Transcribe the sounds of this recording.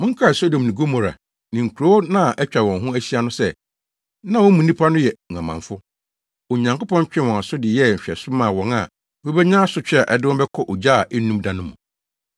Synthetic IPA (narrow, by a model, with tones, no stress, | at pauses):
mʊ̃˦ŋ̩˦kʰa˦˨so˦dõ˨mnĩ˨ɡo˦mɔ˨ɾa̰˨ | nĩ˨ŋ̩˨kʰu˨ɾo˦o˦nã˦˨ʔɛ˦t͡ɕᶣa˨wɔ̃˨nɦʊ̃˦æ˦si˦a˦nʊ̃˦sɛ˦ | nã˦wɔ̃˦mũ˨nĩ˦pʰa˦nʊ̃˦jɛ˨ŋ̩˨ã˨mã̰˨ɱfʊ˦ | o˨ɲã˨ŋko˦pɔ̃˦ɲ˦t͡ɕᶣɪ̃˦˨wɔ̃˨a˨sʊ˦dɪ˨jɛ˦˨ɕᶣɛ̰˨sʊ˦mãː˨wɔ̃˨ŋa̰˨ | wõ˦bɛ˦ɲãː˦sʊ˦t͡ɕᶣɛ˦a˨ʔɛ˨dɪ˦wɔ̃˦bɛ˦kʰɔ˦ʔo˨d͡ʑaː˦˨ʔɛ˦nũ˦mdã˨nʊ̃˦mũ˨